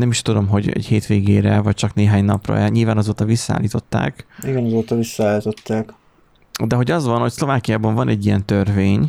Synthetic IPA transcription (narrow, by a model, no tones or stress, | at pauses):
nɛmiʃt̪ud̪o̞mɦo̞ɟɛ̰cheːt̪ʋeːɡeːɾɛvɒc̚t͡ʃɒkneːɦaːɲnɒprɒ̰ɛɲiːlvaːnɒzoːt̪ɒvisːa̰ːlːiːt̪o̞t̪ːa̰ːkiɡɛnɒzoːt̪ɒvisːɔaːlit̪ot̪ːaːk | d̪ɛɦo̞ɟɒzvɒnho̞cslo̞vaːkijaːbɒɱvɒnʔɛɟːijɛnt̪ørveːɲ